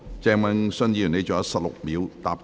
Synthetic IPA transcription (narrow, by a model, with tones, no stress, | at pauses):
t͡sɛː˧ŋmɛ˧ŋsɵ˥njiː˨˧˩ne˨˧jt͡ʃɔ˨˩jɐ˥t̚sɐ˨p̚lʊ̰˨k̚miː˨˥wt̪a̰ː˨p̚